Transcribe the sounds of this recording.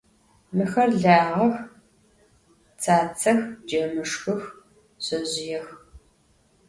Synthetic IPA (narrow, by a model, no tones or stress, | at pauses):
mɨxɐrɮaːʁɐx | t͡sʰaːt͡sʰɐxd͡ʒɐmɨʂxʷʊx | ɕɐzɪjɛx